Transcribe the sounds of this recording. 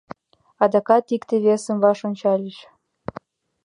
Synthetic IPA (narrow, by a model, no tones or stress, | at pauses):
ɑd̪ɑkɑt̪ikt̪eβesə̆mvɑʃonʲt͡ɕɑlʲeʃ